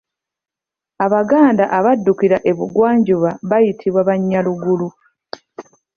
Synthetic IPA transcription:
aβaɡaːndaʔaβadːukiɾaʔe̞βuɡwaːɲɟuβaβajitʰiβwaβaɲːaluɡulu

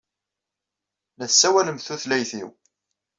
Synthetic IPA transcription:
nəθsːæwæləmθuθlæjθḭw

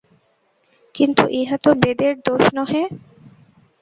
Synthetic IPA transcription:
kint̪uʔeɦat̪obed̪eɾd̪oʃnɔɦe

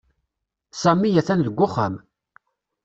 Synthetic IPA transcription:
sæmːijæθænðəɡʷːʊχə̰m

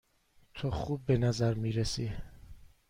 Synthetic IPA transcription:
t̪ʰoχuːbːenæzæɾmiːɾesi

